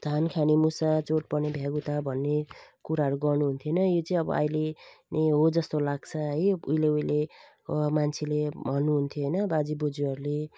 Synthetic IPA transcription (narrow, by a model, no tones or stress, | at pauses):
d̪̥ʱankʰanemusat͡soʈ̚pʌnebʱjaɡut̪abʱʌnːekuɾaɦʌɾuɡʌrnuɦunt̪ʰjonʌjot͡sʌĩʌbʌ̰ʔʌ̰jleneɦod͡zʌst̪olaɡ̚t͡sʰʌɦʌjṵjleujle | mant͡sʰelebʱʌnːuɦunt̪ʰjoɦʌjnʌbad͡zibod͡zuʌɾule